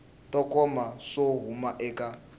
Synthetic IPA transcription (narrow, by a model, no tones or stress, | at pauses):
tʼɔkʼɔmaʂoɦumaʔɛkʼa